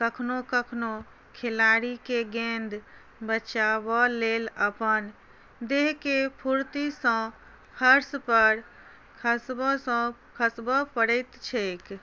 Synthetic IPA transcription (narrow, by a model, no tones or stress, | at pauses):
kəkʰnokəkʰno | kʰelaɾikeɡẽnd̪ʱ | bət͡ʃabɔleləpən | d̪eɦkepʰuɾt̪isə̃ | kʰəɾspəɾ | kʰəsbɔsə̃ | kʰəsbəpəɽəɪt̪t͡ʃʰɛk